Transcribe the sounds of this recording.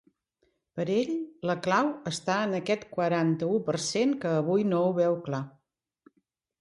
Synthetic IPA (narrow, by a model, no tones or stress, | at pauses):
pəɾeʎləklawəst̪aənəkɛt̪kwəɾant̪əupəɾseŋkəːβ̞ujnouβɛwkla